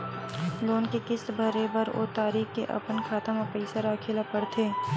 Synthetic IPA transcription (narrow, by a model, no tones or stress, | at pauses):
loːnkekɪsbʱəɾebəɾʔo̰ːt̪aːɾiːxkḛʔɐ̰pənkʰaːt̪əmapəɪsaɾaːkʰɪlapəɽt̪ʰeː